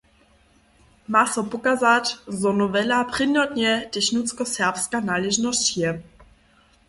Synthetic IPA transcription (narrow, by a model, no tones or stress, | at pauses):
masɔpʊkazatzɔnɔvɛlapʁ̥ɪnɔtɲɛd̥ɛçnut͡skɔsɛʁpskanaːlɛʒnɔstjɛ